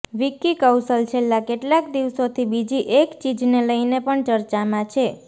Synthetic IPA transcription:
ʋikikəwsəlt͡ʃʰelːakeʈlakd̪iʋsot̪ʰibid͡ʒiʔekt͡ʃid͡ʒneləjnepəɳt͡ʃəɾt͡ʃamãt͡ʃʰe

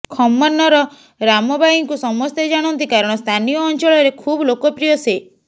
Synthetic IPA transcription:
kʰɔmːɔɾnɔɾɔ | ɾamɔbʱajiŋkusɔmɔst̪ed͡ʒaɽ̃ɔnt̪ikaɾɔɽ̃ɔst̪ʰanijɔːnt͡ʃɔɭɔɾekʰublokɔpɾijɔse

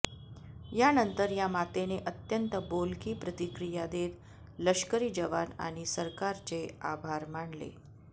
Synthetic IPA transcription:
janənt̪əɾjamat̪eneʔət̪jənt̪əbolkiːpɾət̪ikɾijad̪et̪ | ləɕkəɾiːd͡ʑəʋana̰ɽ̃isəɾkaɾt͡sea̰bʱaɾmaɳlḛ

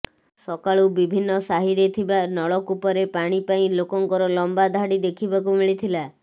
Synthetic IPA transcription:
sɔkaɭubibʱinːɔsaɦiɾet̪ʰibanɔɭɔkupɔɾepaɽ̃ipaĩlokɔŋkɔɾɔlɔmbad̪ʱaɽid̪ekʰibak̬umiɭit̪ʰila

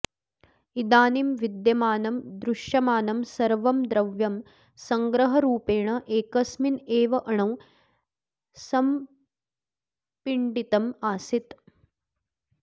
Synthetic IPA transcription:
id̪aːnimʋid̪jɐmaːnɐmd̪ɾuʂjɐmaːnɐmsɐɾʋɐmd̪ɾɐʋjɐm | sɐŋɡɾɐɦɐɾuːpeːɳɐʔeːkɐsmineːʋɐʔɐɳɐw | sɐm | piɳɖit̪ɐmaːsit̪

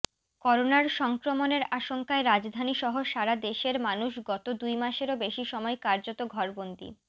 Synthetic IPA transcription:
kɔɾonaɾʃɔŋkɾomoneɾaʃoŋkaeɾad͡ʑd̪ʱaniʃɔɦoʃaɾad̪eʃeɾmanuʃɡɔt̪od̪ujmaʃeɾobeʃiʃɔmɔekaɾd͡ʑot̪oɡʱɔɾbond̪ḭ

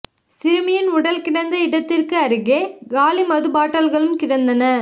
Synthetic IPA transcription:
sɪɾɯmɪjɪnʊɽɐlkɪɽɐnd̪ɐɪɽɐt̪ːɪrkɯɐɾɯɣeːɡaːlimɐðɯbaːʈːɐlɣɐɭɯmkɪɾɐnd̪ɐnɐ

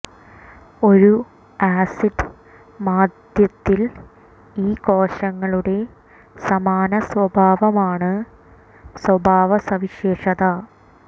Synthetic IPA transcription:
o̞ɾu | aːsiɖɨ | maːd̪jɐt̪ːil | iːkoːʂɐŋːɐɭuɽe̞ | sɐmaːnɐswɐbʱaːʋɐmaːɳɨ | swɐbʱaːʋɐsɐʋiɕeːʂɐðɐ

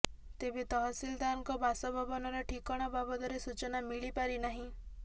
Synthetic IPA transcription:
t̪ebet̪ɔɦɔsild̪aɔŋkɔbasɔbʱɔbɔnɔɾɔʈʰikɔɽ̃ɔbabɔd̪ɔɾesut͡ʃɔnamiɭipaɾinaɦĩ

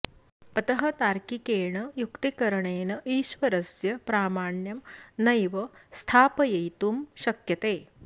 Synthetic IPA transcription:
pɐt̪ɐɦɐt̪aːɾkikeːɳɐjukt̪ikɐɾɐɳeːnɐʔiːʃʋɐɾɐsjɐpɾaːmaːɳjɐmnɐjʋɐst̪ʰaːpɐjɐjt̪umʃɐkjɐt̪eː

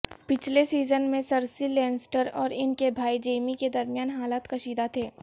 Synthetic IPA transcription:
pɪt͡ʃʰlesiːzənmẽsɐɾsilɛ̃ːnsʈəɾɔːɾɪnkebʱaːid͡ʒeːmiked̪ɐɾmijaːnɦaːlaːt̪kɐʃiːd̪at̪ʰeː

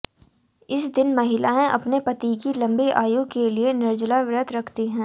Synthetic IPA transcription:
ɪsd̪ɪnmɐɦɪlaẽʔɐ̰pnepɐt̪ikilɐ̃mbiʔaːjukelienɪɾd͡ʒlaʋɾət̪ɾɐkʰt̪iɦɛ̃ː

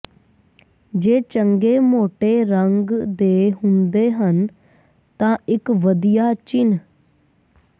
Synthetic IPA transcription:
d͡ʒeːt͡ʃəŋɡeːmoːʈeːɾəŋɡd̪eːɦʊnd̪eːɦən | t̪ãːɪkʋəd̪ijaːt͡ʃɪn

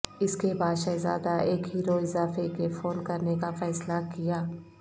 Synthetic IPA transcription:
ɪskebaːd̪ʃɐza̰ːd̪aeːkɦiːɾoɪzaːfekefoːnkɐɾnekafɛːslakijaː

